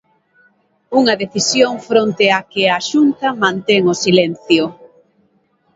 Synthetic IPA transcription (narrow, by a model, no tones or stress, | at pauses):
uŋɐðeθisjoŋfɾont̪ɪakɪaʃunt̪ɐmãnt̪eŋosilenθjʊ